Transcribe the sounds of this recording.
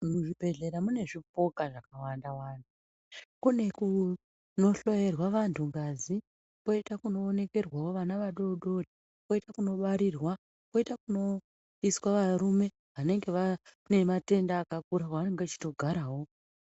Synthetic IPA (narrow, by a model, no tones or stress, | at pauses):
muʐibʱe̞ɮe̞ɾamune̞ʐip̚o̞kaʐakawandawaːnu | kune̞ku | no̞ɬo̞je̞rwaʋantʰuŋɡazi | po̞itakuno̞ːne̞ke̞rwawo̞ʋanaʋaɗo̞ɗo̞dʱi | po̞itakuno̞ɓaɾirwa | po̞itakuno̞ | iswaʋaɾume̞ | ʋane̞ŋɡe̞ʋa | ne̞mate̞ndaːkak̚uɾakaʋane̞ŋɡeat͡ʃi̥to̞ɡʱaɾaɦo̞